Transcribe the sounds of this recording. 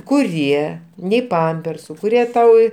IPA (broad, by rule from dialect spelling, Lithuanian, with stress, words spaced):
kʊˈrʲiɛ nʲɛɪ ˈpɐmʲpʲɛrsʊ kʊˈrʲiɛ ˈtɐʊ